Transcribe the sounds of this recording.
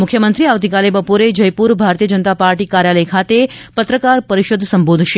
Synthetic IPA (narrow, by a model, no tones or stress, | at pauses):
mʊkʰjəmənt̪ɾiaʋt̪ikalebəpoɾed͡ʒəjpuɾbʱaɾt̪iəd͡ʒənt̪apaɾʈikaɾjaləjkʰat̪epət̪ɾəkaɾpəɾiʃod̪ʱsəmbod̪ʱʃe